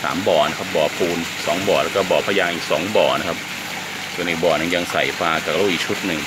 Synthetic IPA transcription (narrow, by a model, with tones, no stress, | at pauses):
sa̰ː˩˦mbɔː˨˩na˦˥kʰa˦˥p̚bɔː˨˩pʰuː˧nsɔː˩˦ŋbɔː˨˩lɛ˦˥kɔː˥˩bɔː˨˩pʰaː˧jaː˧ŋʔiː˨˩k̚sɔː˩˦ŋbɔː˨˩na˦˥kʰa˦˥p̚ | su˨˩ənʔiː˨˩k̚bɔː˨˩na˧ŋja˧ŋsa̰˨˩jfaː˧kaː˨˩laː˧˥˩ʔiː˨˩k̚t͡ɕʰu˦˥t̪̚nɯ˨˩ŋ